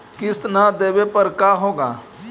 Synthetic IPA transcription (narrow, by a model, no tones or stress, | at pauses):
kɪsnad̪eːbepəɾkaːɦoːɡa̰ː